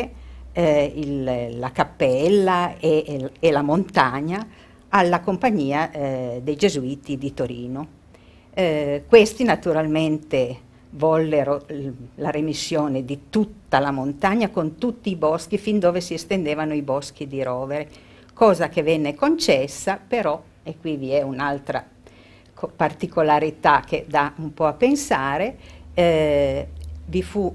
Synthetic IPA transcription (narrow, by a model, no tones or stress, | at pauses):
illakapːɛlːaeelamont̪aɲa | alːakompaɲːiːad̪ejd͡ʒezuiːt̪id̪it̪oɾḭːno | kwest̪inat̪uɾalment̪e | vɔlːeɾolaɾemisːjoːned̪it̪ut̪ːalamont̪aɲːakont̪ut̪ːiːbɔskifind̪oːvesiest̪end̪eːvanoibɔsk̟id̪iɾɔːveɾe | kɔːzakevɛnːekont͡ʃɛsːapeɾɔ | ekːwiviɛunalt̪ɾa̰ | kpart̪ikolaɾit̪ak̟ed̪aumpɔapːensaːɾe | vifu